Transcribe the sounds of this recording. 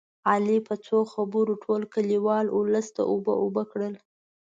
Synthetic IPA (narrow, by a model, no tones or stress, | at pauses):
ɑlipət͡soxabuɾoʈʰolkəliwɑlʊləst̪a̰ʔobə̰ʔobəkɽəl